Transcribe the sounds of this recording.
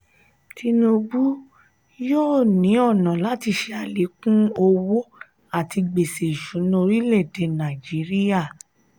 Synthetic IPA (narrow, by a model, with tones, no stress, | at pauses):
ti˧no˧bu˦ | joː˦˨nĩ˨˦ɔ˦˨nã˨la˦ti˧ʃe˧a˨le˨˦kũ˦o˧wo˦ | a˦˨ti˧ɡ͡be˨se˨ʃu˨˦nũ˧o˧ɾi˦lɛ˦˨de˨nã˨d͡ʒi˨˦ɾi˦ja˦˨